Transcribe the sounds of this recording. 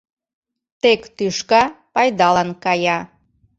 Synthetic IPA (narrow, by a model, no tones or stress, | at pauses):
t̪ekt̪yʃkɑpɑjd̪ɑlənkɑjɑ